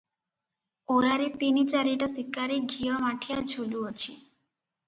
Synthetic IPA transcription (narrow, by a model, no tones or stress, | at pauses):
oɾaɾit̪init͡ɕaɾiʈasikːaɾiɡʱiɔmaʈʰijad͡ʑʰʱuɖuot͡ɕʰi